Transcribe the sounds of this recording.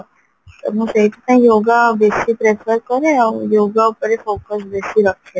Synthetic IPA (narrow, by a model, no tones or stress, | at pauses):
sə̰mũsejt̪ut̪ãjoɡabesipɾefəɾkəɾeawjoɡaupəɾefoːkəsbesiɾəkʰe